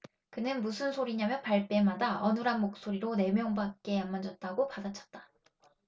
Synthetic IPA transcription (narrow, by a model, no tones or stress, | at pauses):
kɯnɯnmusʰɯnsʰoɾiɲamjʌnpaɭp͈e̞madaʌnɯɾɦanmok̚s͈oɾiɾone̞mjʌŋbak̚k͈e̞anmad͡ʑʌt̚t͈aɡopadat͡ɕʰʌ̥t̚t͈ḁ